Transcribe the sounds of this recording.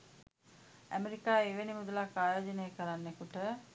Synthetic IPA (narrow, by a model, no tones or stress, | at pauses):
æ̰meɾikaːeʋenimud̪ulakːaːjoːd͡ʒənejəkəɾanːekuʈə